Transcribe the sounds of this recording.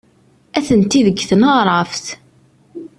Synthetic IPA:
æθənt̪ːiðəɡːθənəʁɾˤəfθ

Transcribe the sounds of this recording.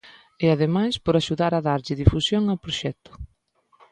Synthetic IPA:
ɪaðemajspoɾaʃuðaɾaðaɾʎɪðifusjoŋapɾoʃɛt̪ʊ̥

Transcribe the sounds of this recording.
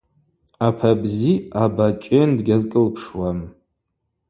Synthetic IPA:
apʰabziabat͡ʃʼɪndɡʲazkʼɨlpʰʂwam

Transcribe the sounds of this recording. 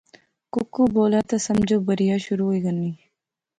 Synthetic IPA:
kʊkːuːboːlaːt̪asɐmd͡ʒobɐɾijaːʃʊɾuːiɡɐnːiː

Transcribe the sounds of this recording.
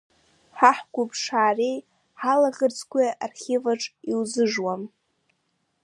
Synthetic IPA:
ħaħɡʷʊpʰʂaːrej | ħalaʁərt͡sʰʼkʷʰʼiʔarχʲevaʈ͡ʂʼiwzɨʐwam

